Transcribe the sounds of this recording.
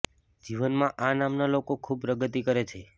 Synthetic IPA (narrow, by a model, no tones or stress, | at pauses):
d͡ʒiʋənmãʔanamnalokokʰub̚pɾəɡət̪ikəɾet͡ʃʰe